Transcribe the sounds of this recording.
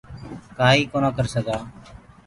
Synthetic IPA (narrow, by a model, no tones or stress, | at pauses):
kaːɦiːkoːnaːkəɾsəɡaː